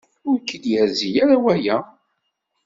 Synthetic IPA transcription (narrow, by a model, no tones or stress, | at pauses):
ʊɾkːəd̪jæɾzijaɾawæjæ